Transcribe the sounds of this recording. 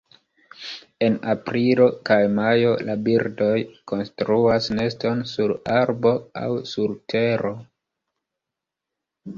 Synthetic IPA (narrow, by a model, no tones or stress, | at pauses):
e̞napɾilo̞kajmajo̞labiɾdo̞jko̞nstɾuasne̞sto̞nsuɾaɾbo̞a̰wsuɾtʰe̞ɾo̞